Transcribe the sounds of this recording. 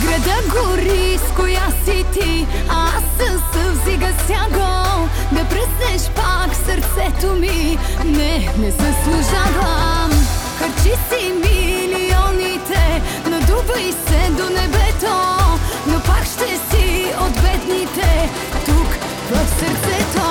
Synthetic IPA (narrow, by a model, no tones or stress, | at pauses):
ɡɾɐd̪aɡo | ɾi | skojasit̪i | aasːəsəvziɡəsʲjaɡo | d̪ɐpɾəsnɛʃpaksəɾt̪sɛt̪omi | nɛnɛzɐslˠuʒavəmxəɾt͡ʃisimiliɔnit̪ɛnɐd̪ubəjsɛd̪onɛbɛt̪onopakʃt̪ɛsiod̪bɛd̪nit̪ɛ | t̪uk | vəfsəɾt̪sɛt̪o